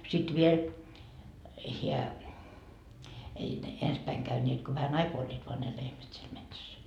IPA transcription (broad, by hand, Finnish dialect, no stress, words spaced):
sit ʋiel hiæ ei ne ens pæiŋ kæynʲeːt ko ʋæhæn ɑikoɑ olʲːiːt ʋoɑ ne lehmæt siel metsæs